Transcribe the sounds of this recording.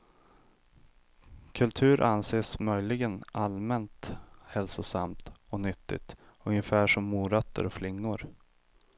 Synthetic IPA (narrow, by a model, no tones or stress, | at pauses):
kʰɵlt̪ʰʉ̟ːɾʔanseːsmœjlɪɡənʔalmɛnt̪hɛlsʊsamt̪ɔnʏt̪ːɪ̰t̪ | ɵŋjəfæːʂɔmːuːɾœt̪ʰːə̰ɾɔflɪŋːʊɾ